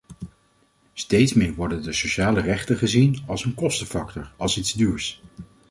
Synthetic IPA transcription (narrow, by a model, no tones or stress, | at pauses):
stejtsmɪːɹʋɔɹdəndəsoʃaːlərɛχtəχəzinɑlˠsənkɔstəfɑk̚tɔɹɑlˠsidz̥dyːɹs